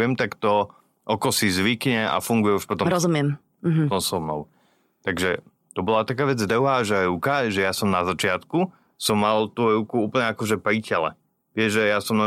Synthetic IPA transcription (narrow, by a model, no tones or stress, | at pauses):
ɛmt̪akt̪ɔ | ʔɔkɔsizʋikɲɛa̰fuŋɡujɛuʃpɔt̪ɔ̃ɾɔzumjɛm | ɦt̪ɔmsɔʋnɔ̰ʊ | t̪aɡʒɛ | t̪ɔbɔlat̪akaːʋɛd͡zd̪əʊɦaːʒɛɾukaʒɛjasɔmnazat͡ʃɪat̪ku | sɔmːalˠt̪uːɾukuuːpl̩ɲɛakɔʒɛpɾicɛlɛ̰ | ʋɪɛʒʒɛjasɔmnɔ